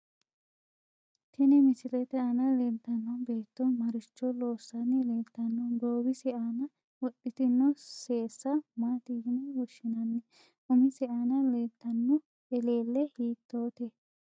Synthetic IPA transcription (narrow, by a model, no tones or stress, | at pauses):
t̪ʰɛnɛmɪsɪlɛt̪ɛɐnɐlent̪ːɐnːɔbe̞ːt̪ːɔmɐɾɪt͡ʃːɔlo̞ːsːɐnɛleːt̪ːɐnːɔɡoːbɪsɛʔaːnɐ | wɔɗːɪt̪ɪnːɔseːsːɐmaːt̪ɪjɪnɛwɔʃːɪnɐnːɛ | ʔʊmɪsɛʔaːnɐleːt̪ːɐnːɔ | ɛle̞ːlːɛhiːt̪ːoːt̪ɛ